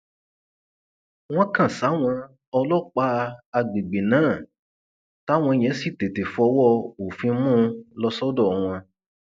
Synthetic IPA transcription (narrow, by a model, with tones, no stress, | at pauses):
w̃ɔ̃˦kã˦˨sa˨˦w̃ɔ̃˧ | ɔ˧lɔ˦˨k͡pa˦a˧ɡ͡be˨ɡ͡be˨nãː˨˦˨ | ta˦w̃ɔ̃˧i˧˨j̃ɛ̃˨˦si˦˨te˨te˨fu˨˦ɔ˧˦wɔ˦o˨fĩ˧˦mũ˦lɔ˧˦sɔ˦dɔ˦˨w̃ɔ̃˧